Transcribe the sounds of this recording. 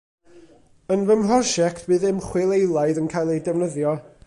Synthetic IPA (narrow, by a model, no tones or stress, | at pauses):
ənvəmrɔʃɛktʰbɨːðɪmχwɪlˠejlˠaɨðənkʰajlˠejdɛvnəðjɔ